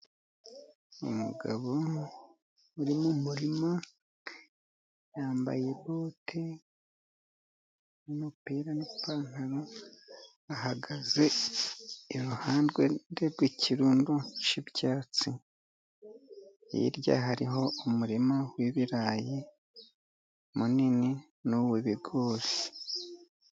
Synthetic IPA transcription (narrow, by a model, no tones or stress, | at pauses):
umṵɡaβo̞ | uɾimumuɾima | jaːmba̰je̞boːtʰe | ninopiɾanipaːŋaɾo | ahaɡaze̞ː | ɾuhaːndɡwedeɾɡwicʰiɾuːnduʃibɟaːt͡si | ḭɾɟa̰ɦaɾiɦo̞umuɾimawiβiɾaːji | munini | nuweβiɡo̞ːɾi